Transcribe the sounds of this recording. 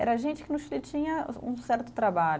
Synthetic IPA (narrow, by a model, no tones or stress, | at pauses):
ɛ̰ɾɐʒẽnt͡ʃɪ̥kɪnʊʃilɪt͡ʃĩɲɐṵ̃sɛɾt̪ʊt̪ɾabaʎʊ